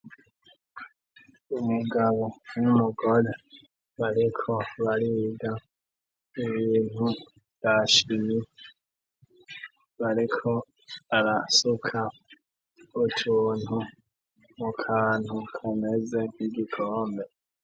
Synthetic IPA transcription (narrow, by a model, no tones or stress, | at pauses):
umuɡaβomumuɡo̞ɾe | βaɾikʰoβaɾiɡa | iβiːn̥hu | jaʃimi | βaɾikʰo | aɾasukʰa | utʰuːn̥u | mukʰaːn̥hukʰamezeniɡikʰoːmbe